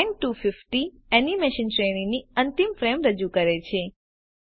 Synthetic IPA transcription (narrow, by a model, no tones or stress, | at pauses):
ŋʈufɪfʈi | ɛnimeʃənʈɾeniniənt̪imfɾemɾəd͡ʒukəɾet͡ʃʰe